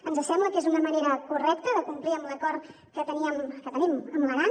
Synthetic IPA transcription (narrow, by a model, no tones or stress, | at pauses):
ənzəsɛmbləkezunəməneɾəkurɛk̚t̪əðəkumpliəmləkɔɾ | kət̪əniəmkət̪əniməmləɣan